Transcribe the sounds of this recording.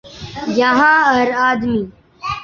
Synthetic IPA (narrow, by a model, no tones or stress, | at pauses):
jaɦãːɐɾaːd̪miː